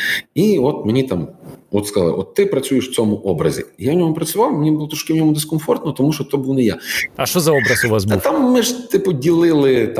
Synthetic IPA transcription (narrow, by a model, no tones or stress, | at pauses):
iɔt̪menʲit̪amɔt̪skɐzalˠɪ̰ʔɔ̰t̪ːɪpɾɐt͡sʲujɪʂw̥t͡sʲomʊʔɔbɾɐ̰zʲḭjavnʲɔmʊpɾɐt͡sʲʊʋɑwmnʲibɨlˠɔt̪ɔʃkɪwnʲɔmʊd̪ɛskɔnfɔrt̪nɔt̪ɔmuʃɔt̪obuwnɪja̰ɐʃt̪ɔzɐɔbɾɐsʊʋasbut̪amːɪʐt̪ɪpʊdʲilˠɪlˠɪt̪